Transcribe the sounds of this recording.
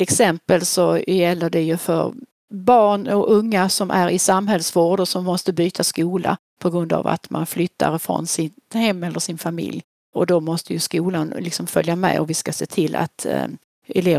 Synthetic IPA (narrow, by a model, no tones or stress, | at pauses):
ɛksɛmpəlsɔjɛlːəɖɛjɵfœ̰ɾ | bɑːɳɔɵŋːasɔmʔæɾɪsamɦɛlsvoːɖɔsɔmːɔst̪əbyːt̪ʰaskuːla̰ | pʰɔɡɾɵnd̪a̰va̰t̪ma̰nflʏt̪ʰːa̰ɾfɾɔ̰nsɪt̪hɛmːɛlːəʂɪnfamɪ̰lj | ɔd̪ɔmɔst̪əjɵskuːlanlɪksɔmfœljamɛ̰ɔvɪskaseːt̪ʰɪlːa̰t̪ | ɛleː